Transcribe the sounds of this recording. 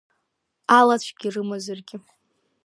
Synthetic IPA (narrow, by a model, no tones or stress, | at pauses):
alat͡ɕʷʰɡ̥ʲirɨmozarɡʲɪ